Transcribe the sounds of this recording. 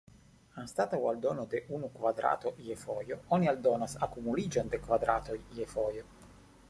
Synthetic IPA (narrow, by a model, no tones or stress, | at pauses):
anst̪at̪awald̪oːnod̪eʔunukvad̪ɾʔa̰ːt̪oʔiefɔjooniald̪oːnasakumulid͡ʒond̪ekvad̪ɾaːt̪ojiefɔjo